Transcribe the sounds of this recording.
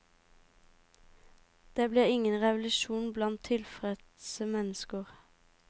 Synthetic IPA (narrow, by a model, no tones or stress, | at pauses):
d̪̥eːbleːɪŋənʁɛʋlʉʃuːnblɑnt̪ʰɪlfʁɛd̪ | səmɛnəskəʁ